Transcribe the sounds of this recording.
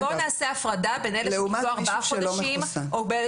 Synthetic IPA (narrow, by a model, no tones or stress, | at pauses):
bonaːseafʁadabenedleumaoaʁbaaχʃoeldaʃimʔobe